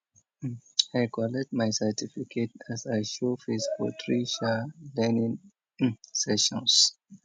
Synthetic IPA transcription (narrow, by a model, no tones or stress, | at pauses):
ajkɔlɛt̚majsɛtʰifikʰetæsajʃofesbɔ̰tʰɹiʃalɛnĩŋ | sɛʃɔ̃ns